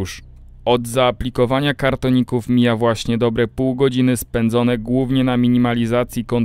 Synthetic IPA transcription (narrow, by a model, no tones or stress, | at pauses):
ʂ | ɔd̪zaːplʲikɔvaɲakaɾt̪ɔɲikufmʲijavwaɕɲɛd̪ɔbɾɛpuwɡɔd͡ʑinɘspɛnd̪zɔnɛɡwuvɲɛnamʲiɲimalʲizat̪sʲjikɔn